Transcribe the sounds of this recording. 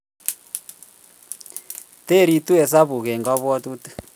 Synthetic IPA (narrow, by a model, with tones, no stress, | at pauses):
te˦ɾi˦tu˦ɛ˨sa˦βu˨ɣɛ˨ŋɡa˦βɔ˦tu˦tu̥˦